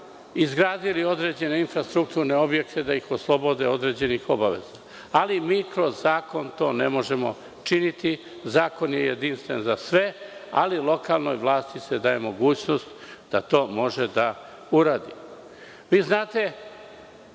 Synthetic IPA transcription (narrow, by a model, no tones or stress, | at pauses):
izɡɾaːd̪ilio̞d̪ɾe̞d͡ʑe̞ne̞infɾast̪ɾuk̚t̪uːɾneo̞bje̞kt̪e̞d̪aixoslˠobo̞d̪eo̞d̪ɾe̞ːd͡ʑe̞nixo̞baʋe̞̰z̥a | alimiːkɾo̞zːaːko̞nt̪o̞ːne̞mo̞ʒe̞mo̞̰ | t͡ʃinit̪i | zaːko̞njejed̪inst̪ʋe̞nzasʋe̞a̰lilˠo̞kaːlˠno̞jʋlˠaːst̪ised̪aje̞mo̞ɡuːt͡ɕno̞st̪d̪̥at̪o̞ːmo̞ʒed̪a | uɾaːd̪i | ʋiːznaːt̪e̞